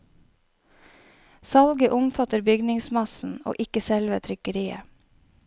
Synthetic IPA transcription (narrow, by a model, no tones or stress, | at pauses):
sɑlɡəʔʊmfɑt̪əɾbʏɡnɪŋsmɑsn̩o̰ːʔɪkəsɛlʋət̪ʰɾʏkəɾiːə̰